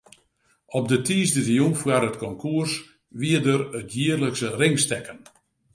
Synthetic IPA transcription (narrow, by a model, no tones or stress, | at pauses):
ɔp̚dətʰiːsdərijunfwaɾətkɔŋkʰuərs | ʋiədəɾətjiərləksərɪŋstɛkən